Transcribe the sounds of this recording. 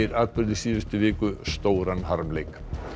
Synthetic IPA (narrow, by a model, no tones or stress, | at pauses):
ɪɾaːt̪̚pʏɾðɪsiːvɪst̪ʏvɪːkʏst̪owɾanɦaɾmlejk